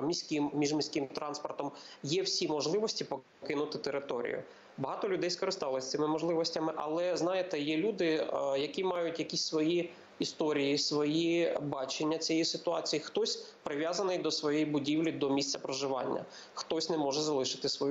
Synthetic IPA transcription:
mʲisʲkʲɪmmʲiʒmʲisʲkɪmt̪ɾɑnspɔrt̪ɔmjɛwsʲimɔʒlˠɪʋɔsʲtʲipɔ | kɪnʊt̪ɪt̪eɾɪt̪ɔɾʲḭjʊ̰ | bɐɦɑt̪ɔlʲʊd̪ɛjskɔɾɪst̪ɑlˠɔsʲt̪ɪmɪmɔʒlˠɪʋɔsʲtʲɐmɪʔɐ̰lˠɛznɑjet̪ɛjɛlʲud̪ɪjɐkʲimɑjʊtʲjɐkʲisʲsʋɔji | ist̪ɔɾʲijisʋɔjibɑt͡ʃenʲːɐt͡sʲijɛisɪt̪ʊɑt͡sʲijixt̪ɔsʲ | pɾɪʋʲjazɐnɪjd̪ɔsʋɔjɛjibʊdʲiwlʲid̪ɔmʲisʲt͡sʲɐpɾɔʒɪʋɑ̰nʲːɐ̰ | xt̪ɔsʲnɛmɔʒɛzɐlˠɪʃɪ̥t̪ɪsʋɔj

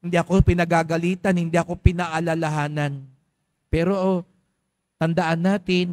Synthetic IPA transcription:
hɪnd̪iʔɐko̞pɪnɐɡaːɡɐliːt̪ɐnhɪnd̪iʔɐko̞pɪnaʔalalaɦaːnan | pɛːɾoʔo | t̪ɐnd̪ɐʔanːaːt̪ɪn

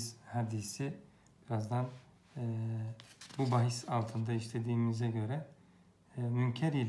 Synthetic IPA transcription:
shad̪isi | b̥iɾazd̪an | bubaɦisalˠt̪ʰɯnd̪aiʃlʲe̞d̪iːmizɛɟø̞ɾɛ | myncʰɛɾilʲ

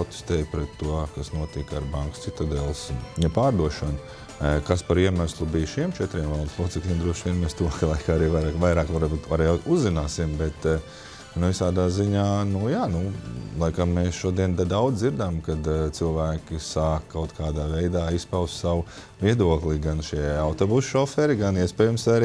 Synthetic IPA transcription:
ɔt̪e̥st̪ɛːjpɾɛt̪ːuɔkasnuɔt̪ikaɾbaŋkst̪sit̪ad̪ɛːlˠsnɛpaːɾd̪uɔʃɐn | kaspaɾiɛmaslˠubijʃiɛmt͡ʃɛt̪ɾiɛmvalˠd̪slˠuɔt̪sɛklʲiɛmd̪ɾuɔʃʋʲiɛnmeːst̪uɔkʰalˠajkaːaɾiːʋajɾaːkʋajɾaːkʋaɾbut̪ʋaɾɛjuzːinaːsimbɛt̪ | nuvisaːd̪aːziɲaːnujaːnulˠajkamːeːsʃuɔd̪iɛnd̪ad̪awd̪ziɾd̪amkad̪t̪silˠʋæːkʲisaːkkːaʊt̪kʰaːd̪aːvɛjd̪aːispaʊssaw | viɛd̪uɔklˠiɡanʃiɛawt̪obusʃɔfɛɾiɡaniɛspɛːjumsaɾi

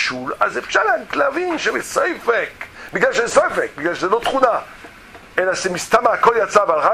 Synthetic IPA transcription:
ʃulazefʃalanklavinʃebesejfekbiɡlalʃezsefek̚biɡlalʃezelot̪χuna | elaʃemist̪amaakoljat͡savalʁa

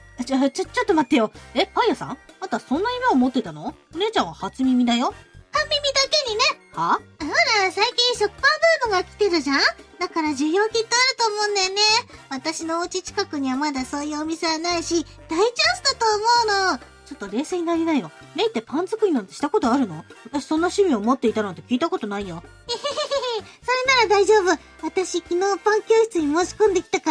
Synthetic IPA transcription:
t͡ɕt͡ɕat͡ɕːat̪ːomat̪ːejo̞epaijasã̰ŋat̪osõ̞nːaimeomo̞t̪ːe̞t̪ano̞oɾe̞ːt͡ɕãɰ̃βahat͡sɨmʲimʲid̪ajopãmbʲimʲid̪ake̞ɲ̟ine̞haamaɾasaikʲĩɰ̃ɕo̞kɯ̥pãmbɯŋɡɯɡakʲi̥t̪e̞ɾɯ̟ʑãd̪akaɾaʑɨjo̞ːkʲit̪ːo̞aɾɯ̟t̪o̞ːmõ̞ːnd̪enːe̞βat̪aɕino̞ːt͡ɕit͡ɕi̥kakɯ̟ɲ̟iβamad̪aso̞ːjɯ̟omʲise̞βanaiɕi | d̪̥ait͡ɕoːsɨ̥d̪at̪o̞ːmo̞ɯno̞ | t͡ɕo̞t̪ːo̞ɾe̞ːseːɲinaɾʲinaijo | meit̪ːe̞pãnzɨkɯ̟ɲ̟inot̪eɕi̥t̪ako̞t̪o̞aɾɯ̟no̞̰βat̪aɕi̥sõ̞nːaɕimʲiomot̪ːe̞it̪anot̪ekʲiːt̪ako̞t̪o̞naijo | so̞ɾe̞naɾad̪aiʑo̞ːbɯ̟ | βat̪aɕikʲino̞ːpãŋkʲoːɕi̥t͡sɨɲ̟imo̞ːɕi̥kõnd̪e̞kʲi̥t̪aka

